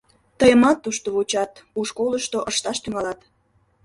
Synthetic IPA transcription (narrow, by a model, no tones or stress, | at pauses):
t̪əjəmɑt̪ːuʃt̪oβut͡ɕɑt̪uʃkoləʃt̪oʔəʃt̪ɑʃt̪yŋɑlɑt̪